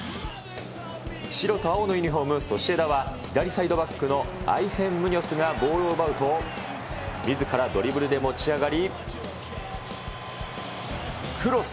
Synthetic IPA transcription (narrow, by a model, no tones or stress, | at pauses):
ɕiɾo̞t̪oao̞noiɲʲiɦo̞ːmɯ̟so̞ɕie̞d̪aβaid̪aɾʲisaid̪o̞bakːɯ̟no̞a̰ihẽ̞mːɯ̟ɲ̟ʲo̞sɨɡabo̞ːɾɯobaɯ̟t̪o̞ | mʲizɨkaɾad̪o̞ɾʲibɯ̟ɾɯ̟d̪e̞mo̞t͡ɕiaɡaɾʲi | kɯ̟ɾo̞